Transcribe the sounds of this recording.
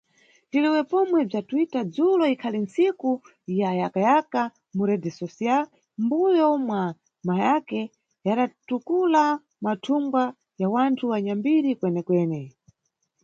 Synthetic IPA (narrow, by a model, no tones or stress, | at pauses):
tiliwɛpɔmwɛb͡ʐatuitad͡zulɔikʰalinsiku | jajakajaka | muɾɛdɛsɔsia | mbujɔmwa | majakɛ | jaɗatukula | matʰumɡwa | jawantʰuwaɲambiɾikwɛnɛkwɛːnɛ